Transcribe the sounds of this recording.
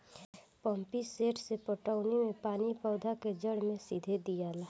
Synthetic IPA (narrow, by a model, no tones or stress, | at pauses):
pə̃mpiseːʈsepəʈəʊnimẽpaːnipɔːd̪ʱaked͡ʒəɽmẽsid̪ʱed̪ijalaː